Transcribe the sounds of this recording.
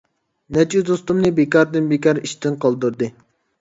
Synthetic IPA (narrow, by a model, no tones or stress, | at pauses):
nɛt͡ʃyd̪ost̪umnɨbekɑɾd̪ɨnbekʲɑɾiʃt̪ɪnqɑlˠd̪uɾd̪ɨ